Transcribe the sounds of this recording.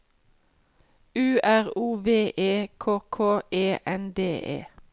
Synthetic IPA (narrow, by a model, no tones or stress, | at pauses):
ʉːʔæʁuːʋeːʔeːkʰoːkʰoːʔeːʔɛnd̪eːʔḛː